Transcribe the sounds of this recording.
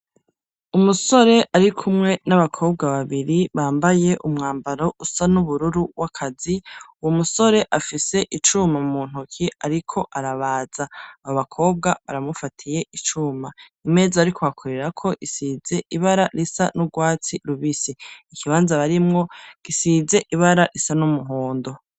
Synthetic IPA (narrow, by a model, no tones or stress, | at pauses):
umuso̞ɾe̞ʔaɾikʰumŋe̞naβakʰo̞ːb̚ɡaβaβiɾiβaːmbaje̞ʔumŋaːmbaɾo̞ʔusanuβuɾuɾuwakʰaziuwomuso̞ɾe̞ʔafise̞ʔit͡ʃuːmamuːn̥ukʰiaɾikʰo̞ʔaɾaβaːz̥aaoβakʰo̞ːb̚ɡaβaɾamufatʰije̞ʔit͡ʃuːma | ime̞ːzaaɾikoakʰoɾe̞ɾakʰo̞ʔisiːze̞ʔiβaɾaɾisanuɡwaːt͡siɾuβisiikʰiβaːnzaβaɾimŋo̞ɡ̥isiːze̞ʔiβaɾaɾisanumuɦoːndo̞